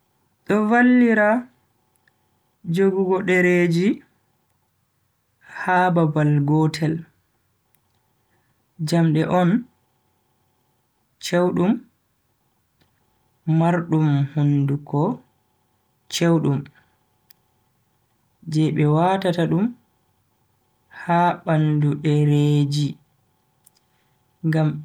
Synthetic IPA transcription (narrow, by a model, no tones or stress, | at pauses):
ɗɔvalːiɾa | d͡ʒoɡuɡɔɗɛɾed͡ʒi | haːbabalɡɔːtʰɛl | d͡ʒamɗɛʔɔn | t͡ʃewɗum | maɾɗumhundukɔ | t͡ʃewɗum | d͡ʒɛɓɛwaːtataɗum | haɓanduɗɛɾed͡ʒi | ŋɡam